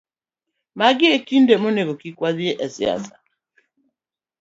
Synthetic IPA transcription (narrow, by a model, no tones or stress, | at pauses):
maɡɪekindɛmonekɔkikwaziɛʔɛsia̰sa